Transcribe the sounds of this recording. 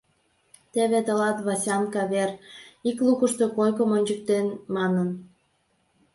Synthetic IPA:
t̪eβet̪əlɑt̪βɑsʲɑnkɑβeriklukəʃt̪okojkə̆monʲt͡ɕək̚t̪enmɑnən

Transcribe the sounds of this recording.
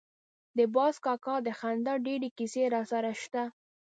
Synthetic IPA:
d̪əbɑskɑkɑd̪əxand̪ɑɖeɽekiseɾɑsaɾaʃt̪a

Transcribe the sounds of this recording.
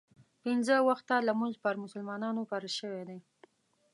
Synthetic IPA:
pɪnzəwaxt̪alamuʒpəɾmʊsəlmɑnɑnopaɾaʃəwed̪aj

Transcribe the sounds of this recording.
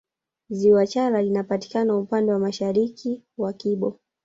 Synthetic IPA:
ziwat͡ʃaɾalinapati̥kanaupandɛwamaʃaɾikʰiwakiɓɔ

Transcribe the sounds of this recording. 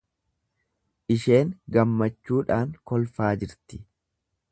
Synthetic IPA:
ʔɪʃe̞ːŋɡɐmːɐt͡ʃːuːᶑaːŋkɔlfaːd͡ʒɪɾt̪ɪ

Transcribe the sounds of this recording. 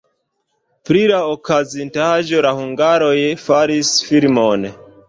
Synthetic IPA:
pɾilaokʰazintaʒo̞lahuŋɡaɾo̞jfaɾisfiɾmon

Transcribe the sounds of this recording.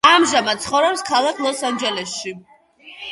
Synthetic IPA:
amʒamat̪̚t̪sʰχɔvɾɛpskʰalˠakʰlˠɔsand͡ʒɛlɛsʃi

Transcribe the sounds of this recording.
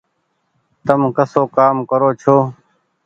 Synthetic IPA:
t̪əmkəsoːkaːmkəɾoːt͡ʃʰoː

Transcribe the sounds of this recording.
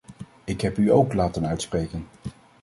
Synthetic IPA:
ɪkɦɛpyowklaːtənœɥtsprejkən

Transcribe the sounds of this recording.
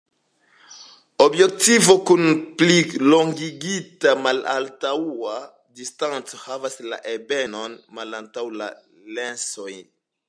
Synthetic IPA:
o̞bje̞k̚tivo̞kunplilo̞ŋɡiɡitamala̰ltaua | distant͡sohavasla̰ʔebeno̞nmalantawla̰ | lenso̞j

